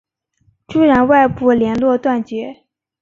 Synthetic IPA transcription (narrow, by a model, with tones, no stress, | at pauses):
ʈ͡ʂu˥˩ɻa˧˥nwa˥˧ɪpu˥˩ljɛ˧˥nlwɔ˥˧t̪wa˥˩nt͡ɕɥɛ˧˥